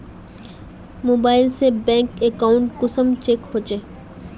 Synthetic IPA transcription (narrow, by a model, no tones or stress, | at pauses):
mobajlsebɛŋkekawɳʈkosəmt͡ɕekhot͡ɕʰe